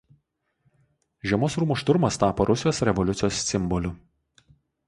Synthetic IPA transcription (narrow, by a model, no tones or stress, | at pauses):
ʒʲiɛmoːsɾuːmʊʃt̪ʊɾmɐst̪ɑːpoɾʔʊsʲɪjoːsɾʲɛʋɔlʲʊt̪sʲɪjoːsːʲɪmbɔlʲʊ